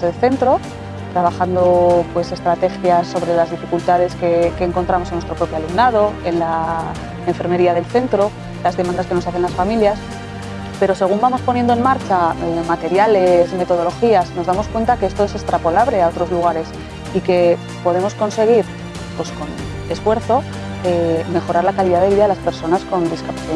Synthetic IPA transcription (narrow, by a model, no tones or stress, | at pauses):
ðelθe̞nt̪ɾo̞ | t̪ɾaβaxand̪opwe̞se̞st̪ɾat̪e̞xjasːo̞βɾe̞lazðifikult̪að̞e̞skeke̞ːŋkont̪ɾamosenːwest̪ɾo̞pɾo̞pjoalumnað̞o̞e̞nla | eɱfe̞ɾme̞ɾiaðe̞lθe̞nt̪ɾo̞ | lazðemãnd̪aske̞no̞saθe̞nlasfamiljas | pe̞ɾo̞se̞ɣ̞umbamo̞spo̞nje̞nd̪oenmaɾt͡ʃaemat̪e̞ɾjale̞zme̞t̪o̞ð̞o̞lo̞xiazno̞zðamo̞skwe̞nt̪akeest̪o̞e̞se̞st̪ɾapo̞laβle̞ao̞t̪ɾo̞zluɣ̞aɾe̞s | ike̞ | po̞ð̞e̞mo̞sko̞nse̞ɣ̞iɾ | pwe̞sko̞n | e̞sfwe̞ɾθo̞ | eme̞xo̞ɾaɾlakaliðaðe̞βiðaðelaspe̞ɾso̞nasko̞nd̪iskapaθiða